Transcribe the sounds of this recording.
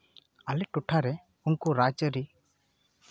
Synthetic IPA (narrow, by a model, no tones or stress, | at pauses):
alɛʈuʈʰaɾɛ | unkuɾat͡ʃəɾi